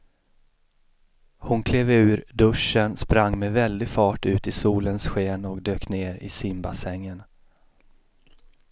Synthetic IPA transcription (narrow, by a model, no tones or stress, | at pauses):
hʊnkʰleːvʉ̟ːɾɖ̪ɵʂənspɾaŋːmɛvɛld̪ɪɡfɑːʈʉ̟ːt̪ɪsuːlənsɧeːnɔkd̪øːkneːɾɪ̰sɪmba̰sɛŋːən